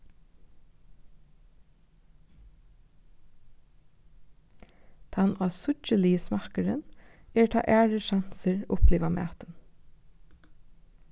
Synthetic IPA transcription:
t̪ʰɑnɑːsʊcəliːsmɑkəɹə̰neːʈʰɑ̰ːʔæːɹəʃɑnsəɹʊpʰliːʋɑmæ̰ːt̪ən

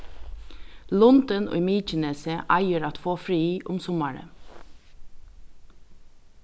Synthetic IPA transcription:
lʊnd̪ənɔ̰ɪmiːt͡ʃənɛːsəʔɑɪəɾat̪foːfɾiːʔʊ̰msʊmɑɹə̰

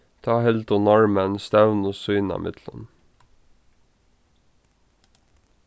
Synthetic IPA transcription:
t̪ʰɑːhɛld̪ʊnɔɹmənst̪æʋnosʉʏnɑ̰mʔɪ̰t̪ʰlə̰n

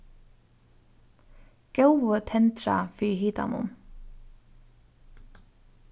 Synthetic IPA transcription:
ɡ̥ɑʊət̪ʰɛnt̪ɾɑ̰fiːɾhiːt̪ɑ̰nʊ̰m

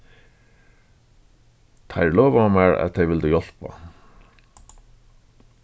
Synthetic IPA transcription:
t̪ʰajlɔːvaamɛɹæ̰ðθʰejʋɪlt̪ɪjɔl̥pa̰

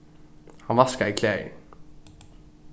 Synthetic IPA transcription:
hɑnʋɑskəikʰleːɪ̰ŋ

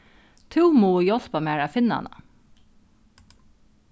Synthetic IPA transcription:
t̪ʰʉːmuːjɔl̥pamæːɹæfɪnːɑ̰nɑ̰

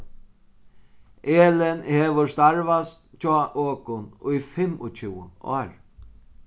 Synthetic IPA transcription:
eːlɪnheːʋəst̪aɹʋast̪t͡ʃʰɔːʔøːkʊnʊjfɪmʊt͡ʃʰɪwʊɔ̰ːɹ

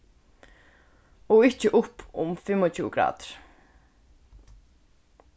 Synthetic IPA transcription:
ɔɣɪhcɪʔʊhpʊ̰mfɪmːɔt͡ɕʰṵːɡɾa̰ːt̪ɾ̥

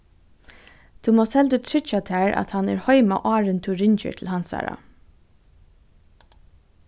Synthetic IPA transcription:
d̪̥ʉːmoːsɛld̪ʉt̪ʰɹʏt͡ʃat̪ʰæːɹa̰t̪hɑnɛ̰ːɹhɔʏma̰ʔɑːɹənt̪ʰʉɹɪɲt͡ʃə̰t̪ʰl̩hɑnsɑ̰ːɹa̰

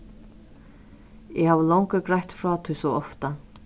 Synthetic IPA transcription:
ɛhaːvəlɔwŋkʏkɾajht̪fɾaːt̪ʰʏjsɔɔft̪a

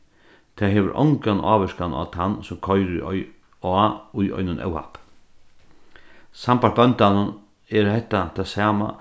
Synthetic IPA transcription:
t̪ʰaːɦɛːʋəɾʔɔ̰wŋkanʔa̰ːʋɪʂkana̰t̪ʰanːsʊmkʰɔjɾʊ̰ɔ̰j | ɔaʊjɔ̰jnʊnʔɛ̰wha̰p | sampaɾ̚bœnt̪anʊn | ɛɾhɛht̪at̪ʰasaːma̰

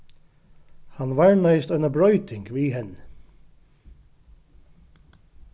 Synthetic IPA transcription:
hanʋaɹmaɪst̪œɪnabɹœʏt̪ɪŋkʋiːɦɛn

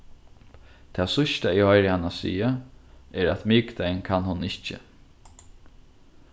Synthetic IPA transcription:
t̪ʰɛːsʊʃt̪aihɔjɾɪhanːasḭːaɛɾæt̪mɪkt̪ajnkʰanhʊnɪht͡ʃə̰

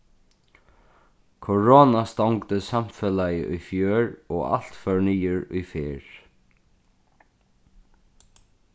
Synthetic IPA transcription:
kʰɔɹoːnast̪awŋkt̪əsam̥felajə̰ʔʊ̰jfjøːɹɔːa̰l̥t̪fœɹniːəɹʊ̰jfeːɹ

